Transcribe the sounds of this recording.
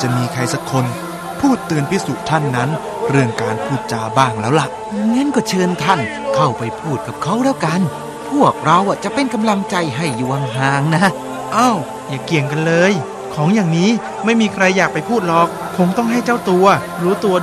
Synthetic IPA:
t͡ɕa˨˩miː˧kʰɾa˧jsa˦˥kʰo˧n | pʰuː˥˩t̪ːɯ˧ənpʰi˦˥su˨˩t̪ʰa˥˩nːa˦˥n | ɾɯ˥˩əŋkaː˧npʰuː˥˩t̪̚t͡ɕaː˧baː˥˩ŋlɛː˦˥wla˨˩ʔ | ŋɛ˦˥˨nkɔː˥˩t͡ɕʰɤː˧nt̪ʰa˥˩n | kʰa˥˩wpa˧jpʰuː˥˩t̪̚ka˨˩p̚kʰa˦˥wɾaː˥˩˨wka˧n | pʰu˥˩ək̚ɾa˧wʔa˨˩t͡ɕa˨˩pe˧nka˧mla˧ŋt͡ɕa˧jɦa˥˩jːuː˨˩wa˧ŋɦaː˧˩ŋna˦˥ | ʔa˧˩w | jaː˨˩ki˨˩əŋka˧nlɤː˧j | kʰɔː˩˦ŋjaː˨˩ŋniː˦˥ | ma˥˩jmiː˧kʰɾa˧jːaː˨˩k̚pa˧jpʰuː˥˩t̪̚lɔː˨˩k̚ʰːo˧ŋt̪ɔ˥˩ŋɦa˥˩jt͡ɕa˥˩wt̪u˧ɐ | ɾuː˦˥t̪u˧ɐ

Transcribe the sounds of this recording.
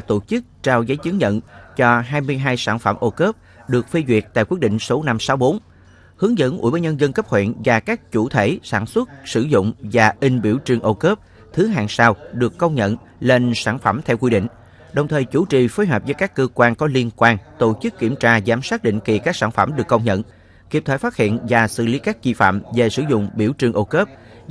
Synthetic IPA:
t̪o˧˩t͡ɕɨ˦˥k̚t͡ɕaː˧wzə˨˦jt͡ɕɨ˨˦ŋɲə̰˧˨nt͡ɕɔ˧ɦaː˧jmɨ˧əjɦaː˧jsaː˧˩nfə˧˩mʔo˧kəː˦˥p̚ | ɗɨ˨˩ək̚fi˧zwi˨˩ət̚t̪a̰ː˧˨jkwi˦˥ɗḭ˧˨ŋ̟so˨˦na˧msaː˨˦wɓo˨˦n | hɨ˨˦əŋzə̰˧˥nʔu˧˩jɓa˧˩jɲə˧nzə˧nkə˦˥p̚hwḛ˧˨nvaː˨˩kaː˦˥k̚t͡ɕu˧˩t̪ʰe˧˩saː˧˩nswə˦˥t̚sɨ˧˩zʊ̰˧˨ŋ͡mvaː˨˩ʔï˧ŋ̟ɓi˧˩əwt͡ɕɨ˨˩əŋʔo˧kəː˦˥p̚ | t̪ʰɨ˨˦ɦaː˨˩ŋsaː˧wɗɨ˨˩əkːə˧wŋ͡mɲə̰˧˨n | le˧nsaː˧˩nfə˧˩mt̪ʰɛ˧wkwi˧ɗḭ̈˧˨ŋ̟ | ɗə˨˩wŋ͡mt̪ʰəː˨˩jt͡ɕu˧˩t͡ɕi˨˩foː˨˦jɦwɔː˨˩zəː˨˦jkaː˦˥kːəː˧kwaː˧nkɔ˨˦li˧ənkwaː˧nt̪o˧˦t͡ɕɨ˦˥kːi˧˩əmt͡ɕaː˧zaː˨˦msaː˦˥t̚ɗḭ̈˧˨ŋ̟ki˨˩kaː˦˥k̚saː˧˩nfə˧˩mɗɨ˨˩əkːə˧wŋ͡mɲə̰˧˨n | ki˦˥ət̪ʰəː˧˨˩jfaː˦˥t̚hḭ˧˨ənvaː˨˩sɨ̰˧˨li˨˦kaː˦˥k̚t͡ɕi˧fa̰ː˧˨mve˨˩sɨ˧˩zʊ̰˧˨ŋ͡mɓi˧˩əwt͡ɕɨ˨˩əŋʔo˧kəː˦˥p̚

